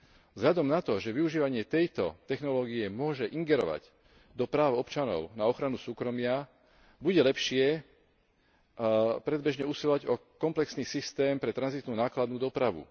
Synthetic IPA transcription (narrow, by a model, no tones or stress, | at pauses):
vzɦʎad̪ɔmnat̪ɔʒɛʋiuʒiːʋaɲɪɛt̪ɛjt̪ɔt̪ɛxnɔlɔːɡiɛmʊɔʒɛʔiŋɡɛɾɔ̰ʋa̰ɟ | d̪ɔpɾaːʊɔpt͡ʃanɔ̰ʊnaɔxɾanusuːkɾɔmɪa | buɟɛlɛpʃɪɛ | pɾɛd̪bɛʒɲɛusilɔʋaɟɔkɔmplɛksniːsist̪ɛːmpɾɛt̪ɾanzit̪nuːnaːklad̪̚nuːd̪ɔpɾaʋṵ